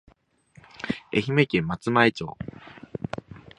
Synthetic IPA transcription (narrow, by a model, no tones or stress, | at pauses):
e̞çime̞kemmːat͡sɨmaet͡ɕo̰ː